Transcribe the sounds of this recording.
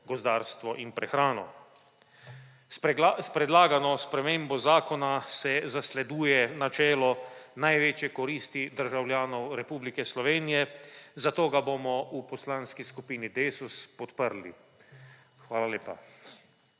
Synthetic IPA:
ɡɔzd̪aːɾst̪ʋɔʔinpɾɛxɾaːnɔ̰ | spɾɛd̪laːɡanɔspɾɛmeːmbɔzaːkɔnasɛzaslɛd̪uːjɛnat͡ʃɛːlɔnajʋeːt͡ʃjɛkɔɾiːst̪id̪əɾʒawljaːnɔwɾɛpuːblikɛslɔʋeːnijɛzat̪oːɡabomɔupɔslanskiskupiːnid̪eːsuspɔt̪pəɾlḭ | xʋaːlaleːpa̰

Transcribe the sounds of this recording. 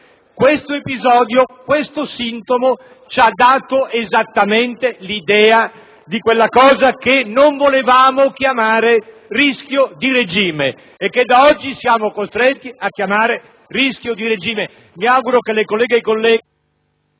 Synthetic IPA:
kwest̪oepizɔːd̪jokwest̪osint̪omo | t͡ʃad̪ːaːt̪oʔezat̪ːament̪elid̪ɛːa | d̪ikwelːakɔːzakenoɱvolevaːmokjamaːɾe | riskjod̪iɾed͡ʒiːmeː | kːed̪ːaɔd͡ʒːisjaːmokost̪ɾet̪ːiʔakːjamaːɾe | riskjod̪iɾed͡ʒiːme | miawɡuɾokelːekolːɛːɡejkolːɛː

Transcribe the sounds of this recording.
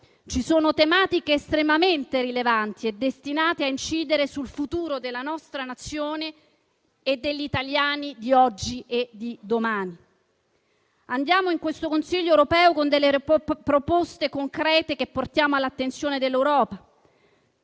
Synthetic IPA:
t͡ʃisoːnot̪emaːt̪ikeːst̪ɾemament̪eɾilevant̪ied̪ːest̪inaːt̪eaint͡ʃiːd̪eɾesulfut̪uːɾod̪elːanɔst̪ɾanat̪sːjoːneː | d̪ːeʎːit̪aljaːnid̪iɔd͡ʒːied̪id̪omaːni | and̪jaːmoiŋkwest̪okonsiʎːoɛwɾopɛːokond̪elːepɾopost̪ekoŋkɾɛːt̪ek̟epːort̪jaːmoalːat̪ːensjoːned̪elːewɾɔːpa

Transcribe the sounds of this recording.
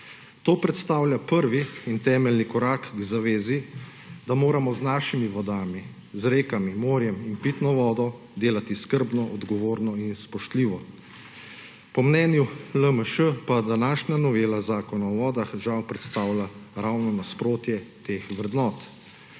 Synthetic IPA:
t̪oːpɾɛt̪st̪aːwlʲjapəɾʋiːnt̪ɛːmɛlnikɔɾaːkɡzaʋeːzi | d̪amoːɾamɔznaːʃimiʋɔd̪aːmi | zɾeːkamimoːɾjɛminpit̪nɔʋɔːd̪ɔ | d̪eːlat̪iskəɾbnɔʔɔd̪ɡɔʋoːɾnɔinspɔʃt̪liːʋɔ | pɔmnɛːnjuləməʃəpad̪anaːʃnanɔʋeːlazaːkɔnaɔʋɔːd̪axʒawpɾɛt̪st̪aːwlʲaɾawnɔnaspɾoːt̪jɛt̪eːxʋɾɛd̪nɔːt̪

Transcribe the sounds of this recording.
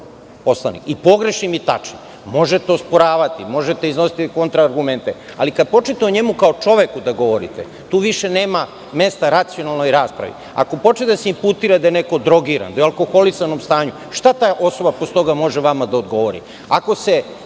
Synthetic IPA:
po̞slˠanḭkipo̞ɡɾe̞ʃimit̪at͡ʃni | mo̞ʒet̪eospoɾaːʋat̪imo̞ʒet̪eizno̞si̥t̪iko̞nt̪ɾaːɾɡument̪e | alikad̪̚po̞t͡ʃet̪eoɲe̞mukaot͡ʃo̞ʋekud̪aɡo̞ʋo̞ɾḭt̪ḛ | t̪uːʋiʃe̞neːma | me̞st̪aɾat̪sio̞nalˠnojɾaːspɾa̰ʋḭ | a̰ko̞po̞t͡ʃned̪aseimput̪iːɾad̪ajeneko̞d̪ɾo̞ɡiɾa̰nd̪ajalˠko̞xo̞lisano̞mst̪aːɲu | ʃt̪at̪aːʔo̞so̞bapost̪o̞ɡamo̞ʒeʋamad̪aod̪ɡo̞ʋo̞ɾḭ | ako̞se̞

